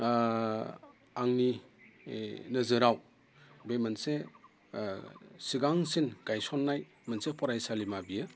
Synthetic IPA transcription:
aŋni | nɐzɯɾaw | bemɐnse | siɡaŋsinɡ̥ajsɔnːaj | mɐnsepʰɔɾajsalimabiɯ

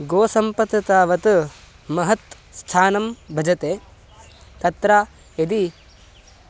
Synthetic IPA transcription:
ɡoːsɐmpɐt̪ːɐt̪aːʋɐt̪ | mɐɦɐt̪ | st̪ʰaːnɐmbʱɐd͡ʒɐt̪eː | t̪ɐt̪ɾaː | ed̪i

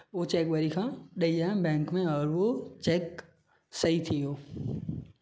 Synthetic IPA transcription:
ʋot͡ʃeːk̚ʋəɾikʰãɗəiãːbɛ̃ːŋkmẽɔːɾʋot͡ʃɛːk | səit̪ʰijoː

